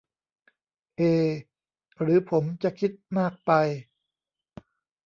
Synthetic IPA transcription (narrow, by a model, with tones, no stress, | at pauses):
ʔeː˧ | ɾɯː˩˦pʰo˩˦mt͡ɕa˨kʰi˦˥t̪̚maː˥˩k̚pa˧j